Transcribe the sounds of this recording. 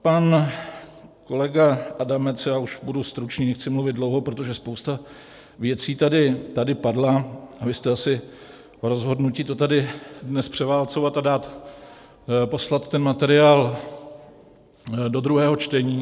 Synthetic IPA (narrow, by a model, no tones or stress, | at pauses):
pan | ko̞lɛɡaʔadamɛt͡sjaːuʃbudust̪ɾut͡ʃniːnɛxt͡sɪmluvɪd̪̚dlowɦo̞pɾo̞t̪oʒɛspowst̪a | vjɛt͡siːt̪adɪt̪adɪpadlaavɪst̪ɛasɪ | oɾo̞zɦo̞dnuciːt̪ot̪adɪdnɛspr̝̥ɛvaːlt͡so̞vat̪adaːt̪ | po̞slat̪ːɛnmat̪ɛɾɪaːl | do̞d̪ɾuɦɛːɦo̞t͡ʃt̪ɛɲiː